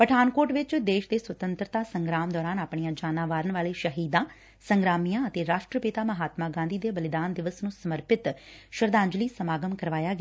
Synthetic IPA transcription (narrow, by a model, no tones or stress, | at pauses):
pəʈʰaːnkoːɾʈʋɪt͡ʃd̪eːʃd̪eːsʋət̪ənt̪ɾət̪aːsəŋɡɾaːmd̪ɔːɾaːnaːpɳijãːd͡ʒaːnãːʋaːɾəɳʋaːleːʃəɦiːd̪ãː | səŋɡɾaːmijãːət̪eːɾaːʃʈɾəpɪt̪aːməɦaːt̪mãːɡãːnd̪iːd̪eːbəlɪd̪aːnd̪ɪʋəsnũːsəməɾpɪt̪ʃəɾd̪ãːɲd͡ʒliːsəmaːɡəmkəɾʋaːjaːɡ